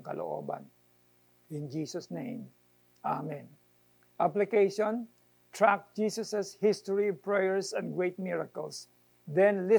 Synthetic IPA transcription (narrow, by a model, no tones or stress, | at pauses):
ŋkɐ̰lʔo̰ʔo̰ːba̰n | ɪ̃nd͡ʒiːsɔsnẽjm | ʔamɛ̃n | ʔaplɪkejʃɔn | t̪ɹak̚d͡ʒisɐsɛshɪst̪ɔɹipɹɛjɛɹsɐ̃nɡɹejt̪̚mɪɹakɛls | d̪ɛ̃nlɪ